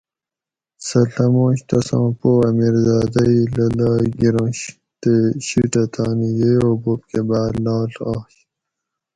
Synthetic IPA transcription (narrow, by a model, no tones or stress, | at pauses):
sɐɬɐmõːɕt̪ɐsɑ̃ːpoːɐmiɾzɑːd̪ɐilɐlɑːɡiɾõːɕ | t̪eɕiʈɐt̪ʰɑːnijeoːbopkebaːdlɑːlɑːɕ